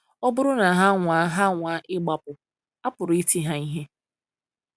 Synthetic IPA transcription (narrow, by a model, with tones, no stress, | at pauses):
ɔ˦bʊ˦ɾʊ˦na˨ɦa˦ŋʷaː˨˦ɦa˦ŋʷa˨˦ʔɪ˦ɡ͡ba˨pʊ˨ | a˦pʊ˨ɾʊ˨i˦ti˦ɦa˦i˦ɦe˦